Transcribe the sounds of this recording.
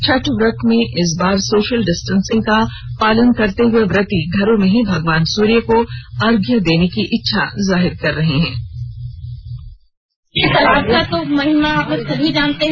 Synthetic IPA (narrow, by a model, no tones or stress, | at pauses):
t͡ʃʰɐʈʋɾɐkmẽʔɪs̬baːɾsoːʃəlɖɪsʈənsɪ̃ŋɡ̚kapaːlənkɐɾt̪eɦʊeʋɾɪt̪iɡʱɐɾõmẽɦibʱɐɡʋaːnsuːɾijəkoaːɾɡjəd̪eːnekiʔɪtːʃʰa̰zaːɦɪɾkɐɾːɐɦeɦɛ̰̃ː | jet̪ɐlaːbkat̪omɐɦɪmapɐsɐbʱid͡ʒaːnt̪eɦ